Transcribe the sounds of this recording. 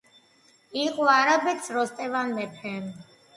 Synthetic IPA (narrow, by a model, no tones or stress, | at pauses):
iqʼɔaɾabɛt̪sʰɾɔst̪ʼɛvanmɛpʰɛm